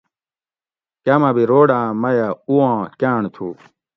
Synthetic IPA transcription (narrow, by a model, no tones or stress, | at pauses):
kamabiɾoːɖãːmɐjauãːkaːɳt̪ʰu